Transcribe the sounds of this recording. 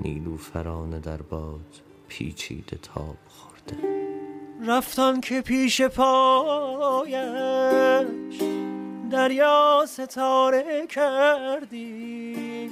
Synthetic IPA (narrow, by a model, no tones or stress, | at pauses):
nʔḭːluːfæɾɒːned̪æɾbɒːd̪̥ | pʰḭːt͡ʃʰḭːd̪et̪ʰɒ̰ːb̥xoɾd̪̥e | ɾæft̪ænkʰepʰiːʃe̞pʰɒː | jæ | ʃd̪æɾjɒːse̞t̪ʰɒːɾekʰæɾd̪i